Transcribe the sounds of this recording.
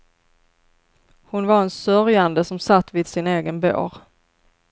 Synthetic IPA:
hʊnvaɾɛnsœɾjand̪əsɔmsat̪ːvɪd̪sɪneːɡənbo̰ːɾ

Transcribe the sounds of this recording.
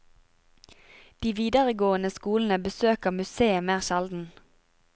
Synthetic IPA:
d̪̥iːʋiːd̪əʁəɡoːənəskuːln̩əbəsøːkəʁmʉseːəmeːʁʃɛld̪n̩

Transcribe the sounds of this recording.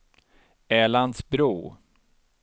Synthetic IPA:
ɛːland̪sbɾuː

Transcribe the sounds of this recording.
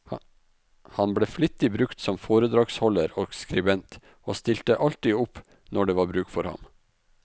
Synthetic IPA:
hɑnbɽeːflɪt̪ːɪbɾʉkt̪sɔmfoːɾəd̪ɾɑːɡshɔləɾoːɡskɾɪbɛnt̪ | oːst̪ɪlt̪əʔɑlt̪iːʊp | nɔɖeːʋɑːɾbɾʉːkfɔɾhɑ̰m

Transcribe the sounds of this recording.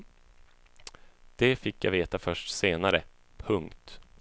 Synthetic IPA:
d̪̥ɛfɪkːja̰veːt̪afœʂʈseːnaɾə | pʰɵŋkt̪

